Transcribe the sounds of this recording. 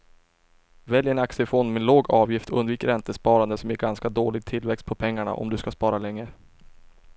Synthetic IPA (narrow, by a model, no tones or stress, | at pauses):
vɛljɛnaksəfɔnmɛːnloːɡɑːvjɪft̪ɔɵ̰nd̪viːkəɾɛnt̪əspɑːɾand̪əsɔmjɪɡanskad̪oːlɪɡ̚t̪ʰɪlvɛkst̪̚pʰɔpʰɛŋːaɳa̰ʔɔ̰md̪ɵskaspɑːɾalɛŋːə